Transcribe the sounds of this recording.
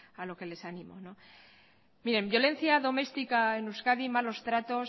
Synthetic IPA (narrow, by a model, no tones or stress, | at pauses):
alo̞ke̞le̞sanĩmo̞̰no | miɾe̞mbjo̞lẽ̞n̟θjaðo̞me̞st̪ikaenuskaðimalo̞st̪ɾat̪o̞